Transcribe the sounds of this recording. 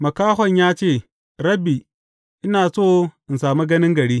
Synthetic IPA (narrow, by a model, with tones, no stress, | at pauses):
mɐ˨kaː˦ɦɔ˨ɲjaː˦t͡ʃeː˦˨ | ɾɐ˦bi˨ | ʔɪ˦naː˨soː˦ʔɪ˨nsaː˨mu˦ɡɐ˦nɪ˦ŋɡɐ˨ɽiː˦